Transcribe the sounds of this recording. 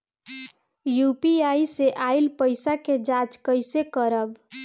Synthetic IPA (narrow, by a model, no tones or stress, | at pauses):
jupiaiseʔailpəɪsaked͡ʒat͡ʃkəjsekəɾəb